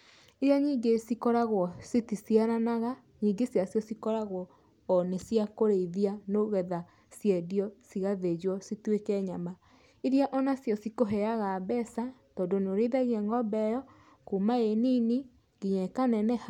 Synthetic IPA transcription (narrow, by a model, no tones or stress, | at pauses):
iɾjaɲiːŋɡesikɔɾaɣwɔsitisiaɾanaɣa | ɲiːŋɡesjasjɔsikɔɾaɣwɔː | nesiakoɾeiðianoɣɛða | sjɛdiɔsiɣaðed͡ʒwɔsitwekɛɲama | iɾjaʔɔnasjɔsikoɦɛaɣabɛsatɔːndonoɾeðaɣiɛŋɡɔbɛjɔ | kumaenini | ŋɡiɲɛkanɛnɛha